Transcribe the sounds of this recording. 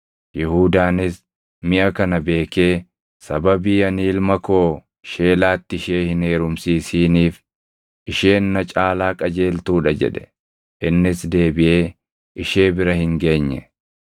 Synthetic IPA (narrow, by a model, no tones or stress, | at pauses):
jɪhuːd̪aːnɪs | mɪʔɐkɐnɐbe̞ːke̞ː | sɐbɐbiːjɐniːlmɐko̞ː | ʃe̞ːlaːt̪ːɪɪʃe̞ːhɪne̞ːɾʊmsiːsiːniːf | ʔɪʃe̞ːnːɐt͡ʃʼaːlaːkʼɐd͡ʒe̞ːlt̪uːᶑɐd͡ʒɛ̰ᶑɛ̥ | ʔɪnːɪsd̪e̞ːbɪʔe̞ː | ʔɪʃe̞ːbɪɾɐhɪŋɡe̞ːɲːɛ